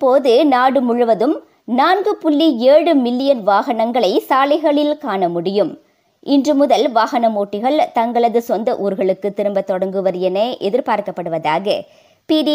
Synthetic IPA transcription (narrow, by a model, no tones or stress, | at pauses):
pːoːðɯnaːɽɯmʊɻɯʋɐðɯm | naːnɡɯpʊlːieːɽɯmɪlːɪjɐnʋaːɣɐnɐŋɡɐɭɐɪsaːlɐɪɣɐɭɪlkaːnɐmʊɽɪjɯm | ʔɪndrɯmʊðɐlʋaːɣɐnɐmoːʈːɪɣɐɭt̪ɐŋɡɐɭɐðɯsɔnd̪ɐʔuːɾɣɐɭɯkːɯt̪ːɪɾɯmbɐt̪ːɔɽɐŋɡɯʋɐɾɪjɐneʔɛðɪɾpaːɾkɐpːɐɽɯʋɐðaːɣɐ̰ | piːɽi